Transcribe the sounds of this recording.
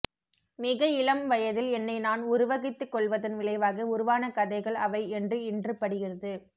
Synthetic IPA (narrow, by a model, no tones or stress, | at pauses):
mɪɣɐɪlɐmʋɐjɐðɪlɛnːɐɪnaːnʊɾʊʋɐɣɪt̪ːɯkːɔɭʋɐðɯnʋɪlɐɪʋaːɣɯʊɾʊʋaːnɐkɐðɐɪɣɐɭɐʋɐɪɛndrɯɪndrɯpɐɽɪɣɪrɐðɯ